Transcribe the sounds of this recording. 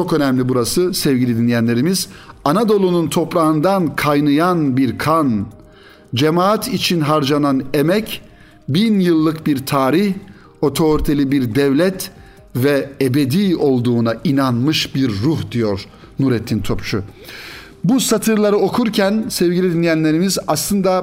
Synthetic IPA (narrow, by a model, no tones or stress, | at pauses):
t͡ʃʰo̞kø̞næmlʲibuɾasɯsɛvɟilʲid̪inlʲːijænlʲe̞ɾimizanad̪o̞lˠununt̪ʰo̞pɾaɯnd̪ankʰajnɯjanbiɾkʰan | d͡ʒemaːat̪ʰit͡ʃʰinɦaɾd͡ʒananemɛc | binjɯlˠːɯkbiɾt̪ʰaːɾiç | o̞t̪ʰo̞ɾit̪ʰe̞lʲibiɾd̪ɛvlʲɛt̪ | vɛebed̪iːo̞lˠd̪uːnainanmɯʃbiɾːuhd̪ijoɾ | nuɾɛt̪ʰːint̪ʰopt͡ʃʰu | busat̪ʰɯɾlˠaɾɯo̞kʰuɾcʰænsɛvɡɟilʲid̪inːʲijænlʲe̞ɾimizaslˠɯnd̪a